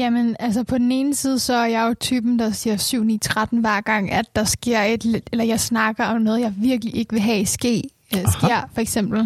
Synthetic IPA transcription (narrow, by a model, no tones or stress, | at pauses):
jæmenælsɐpʰɒ̽d̥n̩e̝ːn̩siːð̞ˠəsɒ̽æɐjɑ̈jo̝t͡sʰyːb̥n̩d̥ɑ̈siɐsyʊ̰nḭːt͡sʰʁad̥n̩ʋæɐ̰ɡ̥ɑ̈ŋ̰æd̥ːɑ̈sɡ̥e̝ɐ̰e̝d̥led̥elɐjɑ̈ɪsnɑ̈ɡ̥ɐɒ̽mnɔ̽ːð̞ˠjɑ̈ɪʋiɐɡ̥əliʔe̝ɡ̥əʋe̝ɦɛisɡ̥e̝̰ː | sɡ̥e̝ɐ̰fɒ̽eɡ̥sem̰b̥l̩